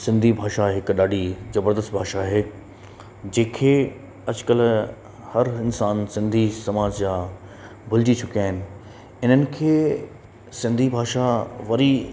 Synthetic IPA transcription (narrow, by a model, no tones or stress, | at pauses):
sɪ̃nd̪ʱibʱaːʃaɦɪkɗaːɖʱizɐbəɾd̪əst̪bʱaːʃaɦeː | d͡ʑẽːkʰe | ɐd͡ʑkəl | hɐɾɪnsaːnsɪ̃nd̪ʱisɐmaːd͡ʑjaː | bʱʊld͡ʑit͡ɕʰʊkijaːɦɪnɪ̆ | ɪn̤ənɪ̆kʰeː | sɪ̃nd̪ʱibʱaːʃaʋɐɾi